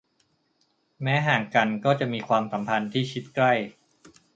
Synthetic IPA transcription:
mɛː˦˥ɦaː˨˩ŋka˧nkɔː˥˩t͡ɕa˨˩ʔmiː˧kʰwaː˧msa˩˦mpʰa˧nt̪ʰiː˥˩t͡ɕʰi˦˥t̪̚kla˥˩j

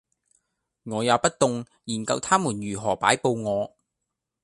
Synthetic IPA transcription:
ŋɔː˨˧jaː˨˧wpɐ˥t̚t̪ʊ˨ŋ | jiː˨˩nkɐ̰˧wt̪ʰaː˥muː˨˩njyː˨˩ɦɔː˨˩paː˨˥jpo˧wŋɔː˨˧

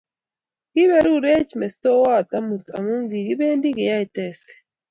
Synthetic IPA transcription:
ki˦βeɾu˦ɾecime˨sto˦wa˦˨ta˦mu˨ta̰˨mu˦ŋɡi˨ɡi˦βeː˦ndi˦ɡi˨ja˦ite˨ste̥

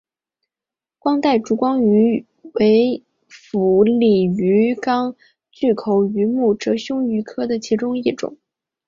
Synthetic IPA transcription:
kwɑ˥ŋt̪a˥˩ɪʈ͡ʂu˧˥kwɑ˥ŋy˧˥ | we˧˥ɪ | fu˨˩li˨˩y˧˥kɑ˥ŋ | t͡ɕy˥˩kʰo˨˩ʊy˧˥mu˥˩ʈ͡ʂɤ˧˥ɕjʊ˥ŋy˧˥kʰɤ˥d̪ə˨t͡ɕʰi˧˥ʈ͡ʂʊ˥ŋi˥˩ʈ͡ʂʊ̰˨˩˦ŋ

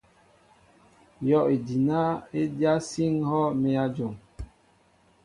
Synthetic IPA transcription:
jɔ˦ʔe˨di˨na˦e˦dja˦si˦ŋhɔ˦me˦ja˦d͡ʒo˨ŋ

